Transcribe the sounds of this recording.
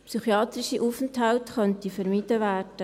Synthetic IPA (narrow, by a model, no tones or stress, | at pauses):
psyχjɑːt̪ɾɪʃiʔuːfənthaltχœntifəɾmid̥əʋæːrd̥ə